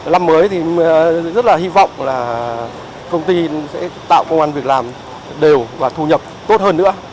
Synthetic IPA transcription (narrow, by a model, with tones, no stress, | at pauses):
la˧mːəː˨˦jt̪ʰi˨˩zə˦˥t̚laː˨˩hi˧vɔ̰˧˨wŋ͡mlaː˨˩ | k̪ə˧wŋ͡mt̪i˧sɛ̰˧˥t̪a̰ː˧˨wkə˧wŋ͡mʔa˧nvi˨˩ək̚laː˨˩m | ɗe˨˩wvaː˨˩t̪ʰu˧ɲə˨˩p̚t̪o˦˥t̚həː˧nːɨ̰˧˥ə